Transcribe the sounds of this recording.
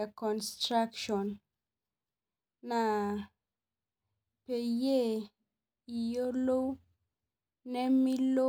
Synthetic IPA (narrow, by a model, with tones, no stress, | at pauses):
a˨kɔ˨nstɾa˦kʃɔ˨n | a˨ | pe˨je˦˨ | i˨jo˦lo˦ | nɛ˦mi˦lo˦